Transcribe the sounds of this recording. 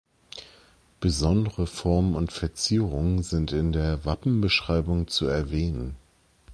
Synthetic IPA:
b̥əzɔndəʁəfɔɐmənʊntfɛɐt͡siːʁʊŋənzɪntɪndeːɐvapm̩bəʃʁ̥aɪbʊŋt͡suɛɐvɛːnən

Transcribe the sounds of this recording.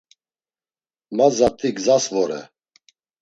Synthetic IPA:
mazat̪ʼiɡzasvɔɾɛ̰

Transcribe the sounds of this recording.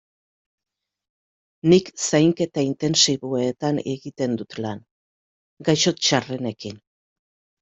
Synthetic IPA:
niksajŋke̞t̪aint̪e̞nsiβoet̪aneɣit̪e̞nd̪ut̪lan | ɡajʃo̞t͡ʃarene̞kin

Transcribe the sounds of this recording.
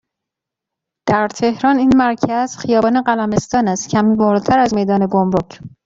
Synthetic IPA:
d̪̥æɾt̪ʰe̞hɾɒːniːnmæɾcʰæz̥xijɒːbɒːneɢælæme̞st̪ɒːnæst̪cʰæmiːvoɾt̪ʰæɾæzme̞jd̪ɒːne̞ɡomɾocʰ

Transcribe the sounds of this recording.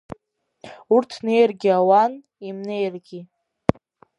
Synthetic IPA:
urtʰne̞jrɡʲiawan | imne̞jrɡʲi

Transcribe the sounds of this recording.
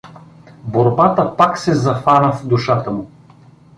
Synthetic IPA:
boɾbat̪əpaksɛzɐfanəfd̪uʃat̪əmʊ

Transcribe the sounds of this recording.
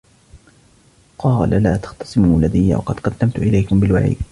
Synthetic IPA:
qɑːlalaːt̪ḁxt̪ɑ̥sˤɪmuːlːad̪ajːa̰wɑ̰qɑd̪̥kad̪ːamt̪ʊʔɪlajkʊmbɪlwa̰ʕḭːd̪

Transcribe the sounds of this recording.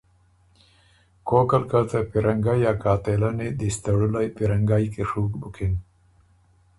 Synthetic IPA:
koːkɐlkat̪apiɾʔɐŋɡajaːkaːt̪elaned̪ist̪ɐɽulajpiɾɐŋɡaːjkeʂuːkbukʰin

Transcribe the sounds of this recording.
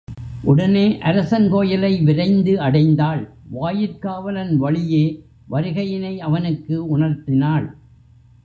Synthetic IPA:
ʔʊɽɐneːʔɐɾɐsɐnkoːjɐlɐɪʋɪɾɐɪnd̪ɯɐɽɐɪnd̪aːɭʋaːjɪɾkaːʋɐlɐnʋɐɭɪjeː | ʋɐɾɯɣɐjɪnɐɪɐʋɐnɯkːɯʊɳɐɾt̪ɪnaːɭ

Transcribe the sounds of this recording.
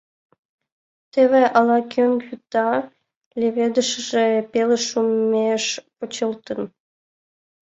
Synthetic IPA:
t̪eβeʔɑlɑkʲʰøŋɡjut̪ɑ | lʲeβed̪əʃəʒepeləʃummeʃpət͡ɕəlt̪ən

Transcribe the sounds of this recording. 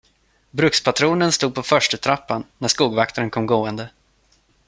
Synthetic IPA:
bɾɵkspʰat̪ʰɾuːnənst̪uːd̪̚pʰɔfœʂʈət̪ʰɾapːanːæʂkuːɡvakt̪aɾənkʰɔmɡoːənd̪ə

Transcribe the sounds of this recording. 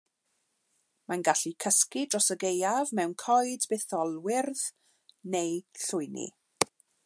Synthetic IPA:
manɡaɬikʰəskidrɔsəɡejavmɛwnkʰɔjdbɛθɔlˠwɪrð | nejɬʊjnḭ

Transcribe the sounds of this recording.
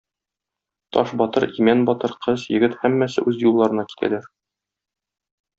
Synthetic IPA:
t̪ɒ̰ʃbɒt̪ɤɾimænbɒt̪ɤɾqʰɤzjɘ̆ɡɘt̪hæmːæsɘ̰ʔʉzjulˠːɑɾɤ̆nɑki̥t̪ʰæ̰læɾ

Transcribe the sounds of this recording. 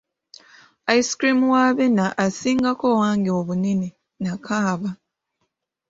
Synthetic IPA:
aiskɾimuwaβenaʔasiːŋɡako̞waːŋɡeoβuneni | nakʰaːβa

